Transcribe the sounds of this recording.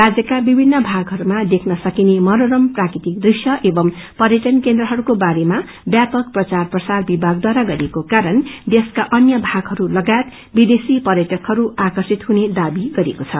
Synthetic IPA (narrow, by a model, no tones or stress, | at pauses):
rad͡zjʌkabibʱinːʌbʱaɡɦʌɾumad̪ekʰnʌsʌkinemʌɾoɾʌmprakɾit̪ik̚d̪risjʌʔebʌmpʌɾjʌʈʌnkend̪rʌɦʌɾukobaɾema | bjapʌk̚prʌt͡sarprʌsarbibʱaɡ̚d̪waɾaɡʌɾekokaɾʌnd̪eskaʔʌnjʌbʱaɡɦʌɾulʌɡaet̪ | bid̪esipʌɾjʌʈʌkɦʌɾuakʌrsit̪huned̪abiɡʌɾekot͡sʰʌ̰